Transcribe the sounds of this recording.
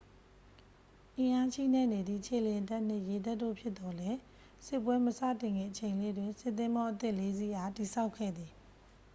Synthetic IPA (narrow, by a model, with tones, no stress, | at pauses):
ʔɪ̃˨ʔa˦ʃḭ˦˨nɛ˦˨ne˨d̪ðḭ˦˨t͡ɕʰḛ˦˨ljɪ̃˨ta˦ʔn̥ɪ̃˦˨je˨da˦ʔtːo̰˦˨pʰjɪ˦t̪t̪ːɔ˨lɛ˦ | sɪ˦ʔpwɛ˦məsa̰˦˨tɪ̃˨ŋɡɪ̰̃˦˨ʔət͡ɕʰẽ˨ɪ̃lḛ˦˨dwɪ̃˨nsɪ˦ʔt̪ːɪ̃˦mbɔ˦ʔət̪ɪ˦ʔle˦zi˦ha˦˨ti˨sʰa˦ʊkʰːɛ̰˦˨d̪ði˨